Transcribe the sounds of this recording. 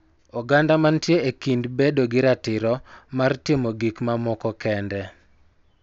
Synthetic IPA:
ɔɡandamantjeekindbedoɡɪɾatɪɾɔmartɪmɔɡikmamɔkɔkɛndɛ

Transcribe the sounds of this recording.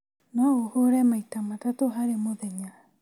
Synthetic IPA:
naohoɾɛmajtamatatoɦaɾemoðeɲa

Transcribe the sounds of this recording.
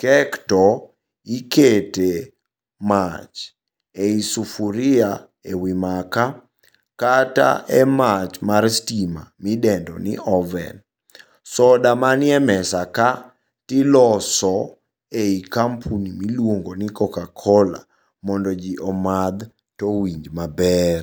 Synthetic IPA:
kɛktɔ | ikete | mat͡ʃ | eisufuɾɪa | ewimaka | kata̰ʔɛmat͡ʃmarstima̰midɛndɔ̰nɪ̰ʔɔvɛ̰n | sɔdamanɪɛmɛsaka | tɪlɔsɔ | eikampʰunimilwoŋɡonɪkɔkakʰɔla̰ | mɔndɔd͡ʒiʔɔmad̪ | tɔwiɲd͡ʒmabɛr

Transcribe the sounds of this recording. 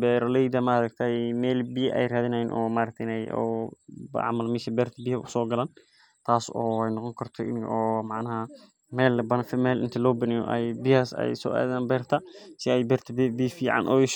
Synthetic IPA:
bɛːɾɔlɛjd̪ɐmaːɾɐkt̪ʰɛjmɛːlbɪjʔɛ̰jraːðɪnɐjɪnʔɔːmaːɾɐk̚t̪ʰɐɪnɛjɔ̰bʕa̰mɐlmɪʃɐbɛːrt̪ʰɐbɪhɐʊsɔːɡɐlaːn | t̪ʰaːsɔːɛjnɔqɔŋkʰɐrt̪ʰɔʔɪ̰nɔːmaʕnɐɦɐ | mɛːlbɐnfɪmɛːlʔɪ̰nt̪ʰɛlɔːbɐnɪjɔ̰ʔɛjbɪhaːsɛ̰jsɔ̰ːʔɛ̰ːðaːnbɛːrt̪ʰɐsɪɛjbɛɾt̪ʰɐbbiːfiːʕa̰nʔɔ̰ːjɪʃ

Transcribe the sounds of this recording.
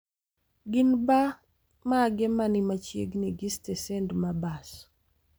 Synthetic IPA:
ɡɪnba | maɡɛmanɪmat͡ʃjḛɡneɡistɛsɛndmabas

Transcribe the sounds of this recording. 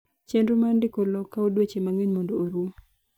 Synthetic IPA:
t͡ʃendumandɪkolɔkːaodwet͡ʃemaŋeɲmɔndooɾu

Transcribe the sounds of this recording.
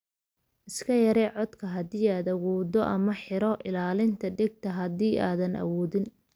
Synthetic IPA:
ʔɪskʰɐjɐɾɛʕɔd̪kʰɐɦɐðiːaːd̪ɐwɔːdɔʔɐmɐħɪɾɔʔɪlaːlɪnt̪ʰɐɖɪɡ̚t̪ʰɐɦɐðiːʔaːðɐnɐ̰wɔːðɪn

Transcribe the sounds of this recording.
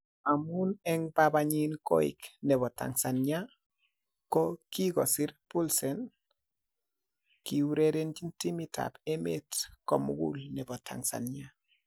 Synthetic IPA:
amunɛŋbabaɲinko̰ḭknɛβɔta̰ŋsanɲa | kokiɡosiɾpulsɛn | kiwuɾeɾentintimita̰pemḛtkomṵɡṵlnɛbɔtʰa̰ŋsa̰nɲa

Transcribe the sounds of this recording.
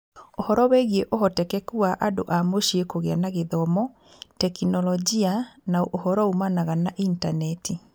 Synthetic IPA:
ohɔɾɔwɛɣieʔohɔtɛkɛkuaʔado̰ʔamoʃiekoɣeanaɣeðɔmɔ | tɛkinɔlɔd͡ʒianaoʔohɔɾɔumanaɣanaʔintanɛti

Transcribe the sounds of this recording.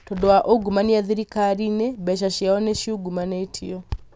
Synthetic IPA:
todowaʔoɡumaniaðiɾikaɾinebɛʃ̬aɕjaɔneɕjioɡumanetʰiɔ

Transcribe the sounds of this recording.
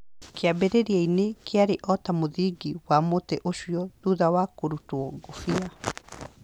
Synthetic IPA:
keabɛɾeɾiainekeaɾeʔɔtamoðiːɡiwamotɛʔoʃiɔtuðawakoɾutwɔɡofia

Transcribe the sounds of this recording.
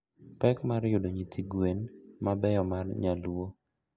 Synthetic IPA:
pɛkmaɾjʊdoɲit̪ʰiɡwenmabɛjɔmarɲalwo

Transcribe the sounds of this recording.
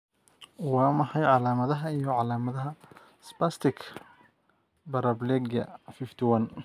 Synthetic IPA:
wɑːmɑħɑjʕɑlaːmɐðɐɦɐijɔʕɑlaːmɐðɐɦɐ | spast̪ʰɪkʰ | bɐɾɐblɛɡɐ̰fɪft̪ʰɪwɐn

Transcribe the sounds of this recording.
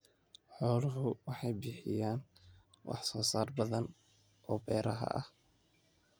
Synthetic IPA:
ħɔːlʊɦʊwɑħɑjbiːħɪ̰jaːn | wʔɑ̰ħsɔːsaːrbɐðɐn | ʔɔːbɛːɾɐɦɐ̰ʔɐ̰h

